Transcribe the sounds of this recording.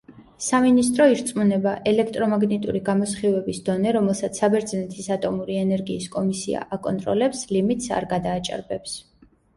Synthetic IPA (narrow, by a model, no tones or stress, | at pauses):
saminist̪ʼɾɔiɾt̪sʼmunɛbaʔɛlɛk̚ʰt̪ʼɾɔmaɡnɛt̪ʼṵɾiɡamɔsχivɛbisd̪̥ɔnɛɾɔmɛlˠsat̪sʰabɛɾd̪znɛt̪ʰisat̪ʼɔmuɾiɛnɛɾɡiːskʼɔmisḭa̰ʔakʼɔ̰nt̪ʼɾɔ̰lɛpslimit̪ʼsa̰ɾɡad̪aːt͡ʃʼa̰ɾbɛps